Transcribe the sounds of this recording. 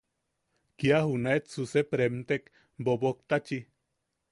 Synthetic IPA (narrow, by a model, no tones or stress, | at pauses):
kiahunaet̪susepɾemt̪ek | bobok̚t̪at͡ʃi